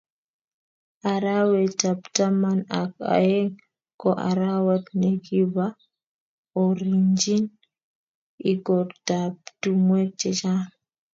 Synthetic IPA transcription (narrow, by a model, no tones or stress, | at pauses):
ʔaɾawɛtaptamanaka̰jɛŋ | kɔʔa̰ɾawatneɡiβa | ɔɾiɲd͡ʒin | iɡɔɾtabtumwɛt͡ʃɛd͡ʒan